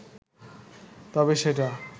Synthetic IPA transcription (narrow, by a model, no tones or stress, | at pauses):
t̪ɔbeʃeʈ̬a